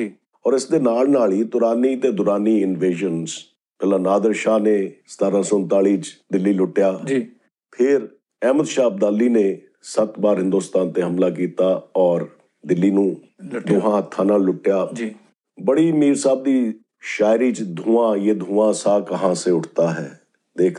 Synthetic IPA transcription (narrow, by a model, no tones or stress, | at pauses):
ɔːɾɪsd̪eːnaːlnaːɭiːt̪ʊɾaːniːt̪eːd̪ʊɾaːniːɪnʋeːd͡ʒənz | pɛlãːnaːd̪əɾʃaːneːst̪aːɾãːsʊnt̪aːliːt͡ʃd̪ɪlːiːlʊʈːjaːd͡ʒiː | pʰɪɾ | ɛːməd̪ʃaːb̚d̪aːlːiːneː | sət̪baːɾɦɪ̃nd̪oːst̪aːnt̪eːɦəmlaːk̬iːt̪aːɔːɾ | d̪ɪlːiːnũː | d̪ʊɦãːɦət̪ʰːaːnaːlːʊʈːjaːd͡ʒː | bəɽiːmiːɾsaːb̚d̪iː | ʃaːɪɾiːt͡ʃd̪ʱũːãːjeːd̪ʱũːãːsaːkəɦãːseːʊʈʰt̪aːɦɛ̰ː | d̪eːkʰ